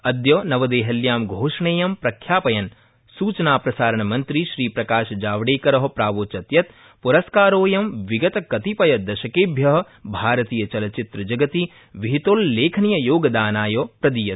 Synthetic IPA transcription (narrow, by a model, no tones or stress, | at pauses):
ɐd̪joːnɐʋɐd̪eːɦɐljaːmɡʱoːʃɳeːjɐmpɾɐkʰjaːpɐjɐn | suːt͡ʃɐnaːpɾɐsaːɾɐɳɐmɐnt̪ɾiʃɾiːpɾɐkaːʃɐd͡ʒaːʋɐɽeːkɐɾɐɦɐ̆pɾaːʋoːt͡ʃɐt̪jɐt̪̚ | puɾɐskaːɾoːjɐmʋiɡɐt̪ɐkɐt̪ipɐjɐd̪ɐʃɐkeːbʱjɐɦɐ̆ | bʱaːɾɐt̪iːjɐt͡ʃɐlɐt͡ʃit̪ɾɐd͡ʒɐɡɐt̪i | ʋiɦit̪oːlːeːkʰɐnijɐjoːɡɐd̪aːnaːjoːpɾɐd̪ijɐt̪